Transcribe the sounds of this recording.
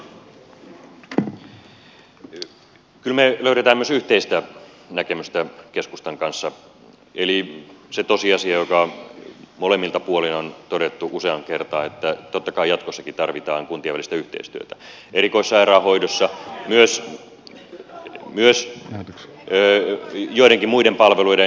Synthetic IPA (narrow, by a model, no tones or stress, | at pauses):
kylmeløyɾet̪æːmːyøsyht̪eist̪æ | nækemyst̪ækeskust̪ɑŋkɑnsːɑ | eliset̪osiɑsiɑjokɑ | molemːilt̪ɑpuolinont̪odet̪ːuʔuseɑŋkert̪ɑːnet̪ːæt̪ot̪ːɑkɑijɑt̪kosːɑkit̪ɑrʋit̪ɑːŋkunt̪iɑʋælːist̪æyht̪ḛist̪yøt̪æ | erikoisːɑerɑːhoidosːɑmyøs | myøs | joiɾeŋkimuidempɑlʋeluide